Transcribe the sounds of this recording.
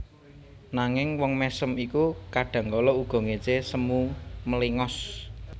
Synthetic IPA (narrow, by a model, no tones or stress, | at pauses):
naŋɪŋwɔŋmɛsəmikukaɖ̥ä̤ŋkɔlɔuɡ̥ɔ̤ŋet͡ʃesəmuməliŋɔs